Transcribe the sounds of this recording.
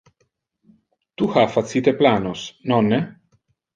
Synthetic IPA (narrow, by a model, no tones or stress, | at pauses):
t̪uxafat̪sit̪eplaːnosnɔnːe